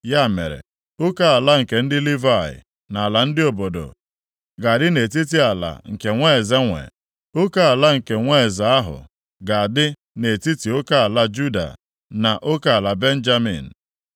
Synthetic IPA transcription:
ja˦˨mḛ˨ɾḛ˨ | ʊ˦ka˦a˨la˦ŋ̩˨ke˨n̩˦dɪ˦li˦va˦˨ɪ̰˨ | na˨a˨la˨n̩˦dɪ˦o˨bo˨do̰˨ | ɡa˨dɪ˦ne˨t̬i˦t̬i˦a˨la̰˨ŋ̩˨ke˨ŋʷe˦˨za˦ŋʷḛ˨ | o˦ka˦a˨la˦ŋ̩˨ke˨ŋʷe˦˨za˦a˦ɦʊ̰˨ | ɡa˨a˨dɪ˦ | ne˨ti˦ti˨o˦ka˦a˨la˦d͡ʒu˦da̰˨ | na˨ʔo˦ka˦˨a˨la˨be˦n̩˦d͡ʒa˦mḭ˨n̩˨

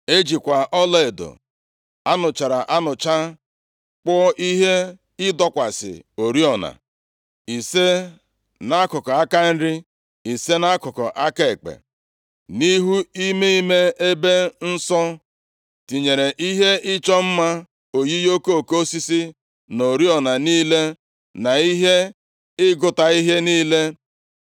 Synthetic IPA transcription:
e˦d͡ʒi˨kʷa˨ʔɔ˦le˦e˨do̰˨ | a˦nʊ˨t͡ʃa˨ɾa˨ʔa˦nʊ˨t͡ʃa˦ | k͡pɔ˦ʔi˦ɦe˦ | ɪ˦dɔ˦kʷa˨sɪ̰˨o˨ɾi˦ɔ˨na̰˨ | i˨se˦ | na˦a˦kʊ˨kɔ˨a˦ka˦n̩˦ɾi˦ | i˨se˦na˦kʊ˨kɔ̰˨ʔa˦ke˨e˨k͡pḛ˨ | ni˦ɦu˦i˦me˦i˦me˦e˦be˦n̩˦sɔ˦ | ti˨ɲe˨ɾe˨ʔi˦ɦe˦ɪ˦t͡ʃɔ˦m̩˦ma˦ | o˨ji˦jo˦ko˦o˦˨ko˦o˦si˦si˦ | no˨ɾi˦ɔ˨na˨niː˦le˦ | na˨i˦ɦe˦ | ɪ˦ɡʊ˦ta˨i˦ɦe˦niː˦le˦

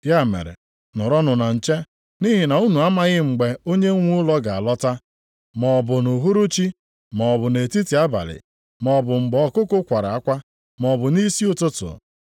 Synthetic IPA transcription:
ja˦˨mḛ˨ɾḛ˨ | nʊ˨ɾɔ˦nʊ˨na˨n̩˨t͡ʃe˦ | ni˦ɦi˨na˨u˦nu˨a˦ma˦ɣɪ˦ŋ͡m̩˨ɡ͡be˨o˦ɲe˦ŋʷu˦lɔ˦ɡa˨a˨lɔ˦ta˦ | mɔ˨bʊ˨nu˨ɦu˦ɾu˦t͡ʃi˦ | mɔ˨bʊ˨ne˨ti˦ti˨˦a˦ba̰˨lɪ̰˨ | mɔ˨bʊ˨ŋ͡m̩˨ɡ͡bɔ˨kʊ˦kʊ˦kʷa˨ɾa˨a˦kʷa˦ | mɔ˨bʊ˨ni˦si˦ʊ˦tʊ˦tʊ̰˨

